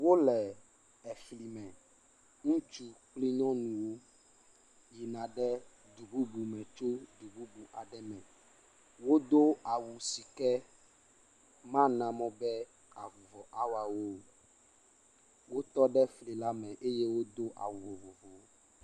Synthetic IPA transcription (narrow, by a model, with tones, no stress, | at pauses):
wo˦lɛ˨ | ɛ˨fli˨mɛ̃˨ | ŋũ˦t͡ʃu˦k͡pli˦ɲɔ̃˦nũ˨wo˦ | ji˨nã˨ɖɛ˦ | d̪u˨bu˦bu˨mɛ̃˨t͡ʃo˦d̪u˨bu˦bu˨ʔa˨ɖɛ˦mɛ̃˨ | wo˦d̪o˦a˨wu˨si˨kɛ˦ | mã˦nã˨mɔ̃˦bɛ˦ | a˨vu˨vɔ˨ʔa˦wa˨wo˦ | wo˦t̪ɔ˦ɖɛ˦fli˨la˦mɛ̃˨ʔe˦je˦wo˦d̪o˦ʔa̰˨wu˨vo˨vo˨vo˨˦